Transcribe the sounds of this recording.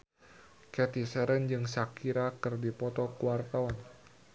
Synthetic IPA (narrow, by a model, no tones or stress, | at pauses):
kɛt̪isɛɾənd͡ʒɨŋsakiɾakɨrdipɔt̪ɔkuwart̪awan